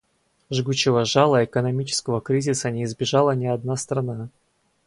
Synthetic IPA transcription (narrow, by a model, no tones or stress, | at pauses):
ʐɡut͡ɕːɪvəʐalˠəɪkənɐmʲit͡ɕɪ̥skəvəkɾʲizʲɪsənʲɪːzbʲɪʐalˠənʲɪɐd̪nast̪ɾɐna